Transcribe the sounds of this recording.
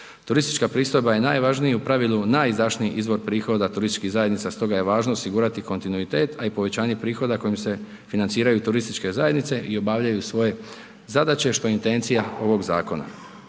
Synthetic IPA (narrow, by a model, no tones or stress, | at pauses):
t̪uɾist̪i̥t͡ʃkapɾiːst̪ojbaje̞naːjʋaʒnijupɾaʋilunajizd̪aʃniiʔizʋo̞ɾpɾiːxo̞d̪at̪uɾist̪it͡ʃʃkiɣzajed̪nit̪ast̪o̞ɡaje̞ʋaːʒnoosiɡuːɾat̪iko̞nt̪inuit̪e̞ːt̪aipo̞ʋe̞t͡ɕaːɲe̞pɾiːxo̞d̪ako̞jimse̞ | finant̪iːɾajut̪uɾist̪it͡ʃke̞zaje̞d̪nit̪se̞ʔio̞baʋʎajusʋo̞je̞ | zad̪at͡ɕe̞ʃt̪o̞int̪e̞nt̪sijao̞ʋo̞ɡza̰ːko̞na̰